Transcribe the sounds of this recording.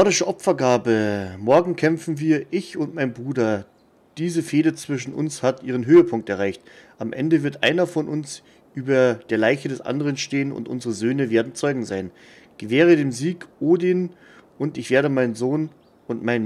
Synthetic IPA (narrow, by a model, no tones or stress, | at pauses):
nɔɐdɪʃəʔɔpfɐɡaːbəmɔɐɡŋ̩kʰɛmfn̩viːɐʔɪçʊntmaɪnbʁuːdɐ | d̥iːzəfeːdət͡sv̥ɪʃn̩ʊ̰nshatʔiːʁ̞ənɦøːəpʰʊŋk̚tɛɐʁaɪçtʔamʔɛ̰ndəvɪɐtʔa̰ɪnɐfɔnʔʊns | ʔyːbɐd̥eːɐlaɪçədɛsʔa̰ndəʁ̞ənʃteːənʊ̰ntʔʊ̰nzəʁəzøːnəveːɐdn̩t͡sɔʏɡŋ̩zaɪn | ɡ̥əvɛːʁ̞ədeːmziːkʔoːdin | ʔʊntɪçv̥eːɐɾəmaɪnzoːn | ʊntmaɪn